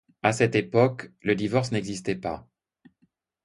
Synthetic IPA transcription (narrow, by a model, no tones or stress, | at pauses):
asɛt̪epɔkləd̪ivɔʁsnɛɡzist̪ɛpa